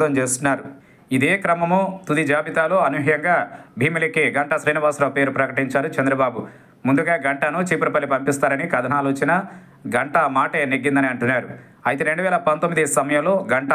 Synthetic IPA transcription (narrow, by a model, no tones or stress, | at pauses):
d̪ɐmt͡ʃeːst̪unːaːɾu | id̪eːkɾɐmɐmoːt̪ud̪id͡ʒaːbit̪aːlo̞ːɐnuɦɐjɐŋɡaːbʱiːmilikiɡɐɳʈɐsɾiːniʋaːsɾɐːpe̞ːɾupɾɐkɐʈiɲt͡ʃaːɾut͡ʃɐnd̪ɾɐbaːbu | mund̪uɡaːɡɐɳʈɐnut͡ʃiːpuɾɐpɐlːipɐmpist̪aːɾɐnikɐd̪ʱɐnaːloːt͡ʃinɐ | ɡɐɳʈɐmaːʈeːneɡːind̪ɐniɐɳʈunːaːɾu | ɐjit̪eɾe̞ɳɖuʋɛːlɐpɐnt̪omːid̪isɐmɐjɐmlo̞ːɡɐɳʈɐ